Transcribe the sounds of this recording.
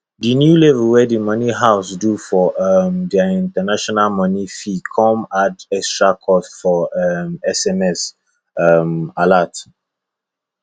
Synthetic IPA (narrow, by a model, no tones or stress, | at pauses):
dinjulɛvəwɛdimʌniɦaʊsdufɔʔmdɛĩntanaʃɔnalmɔnifikʰɔ̃madɛkstɹakʰɔsfɔmɛsɛmɛs | malat